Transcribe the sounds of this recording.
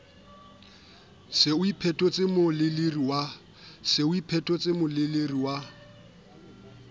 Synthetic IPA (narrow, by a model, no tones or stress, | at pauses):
sɪʊipʰɛtʼɔt͡sʼɪmʊlɪleriwa | sɪʊipʰɛtʼɔt͡sʼɪmʊlɪleriwa